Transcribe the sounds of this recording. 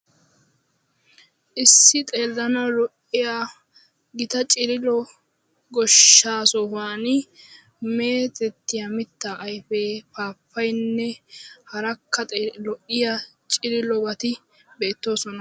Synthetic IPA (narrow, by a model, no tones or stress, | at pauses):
ʔɪsːɪt̪ʼe̞ːlːɐnɐwlɔʔɪja | ɡɪt̪ɐt͡ʃʼɪɾɪlɔ | ɡɔʃːaːsɔhaːnɪ | me̞ːt̪ɛt̪ːɪjamɪt̪ːaʔːjfepaːpʰːɐjnːɛhɐɾɐkːɐt̪ʼlɔʔɪjat͡ʃʼɪɾɪlɔbɐt̪ɪ | be̞ːt̪ːo̞ːsɔnɐ